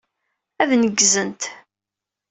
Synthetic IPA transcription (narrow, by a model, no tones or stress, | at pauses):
æðnəɡzənt̪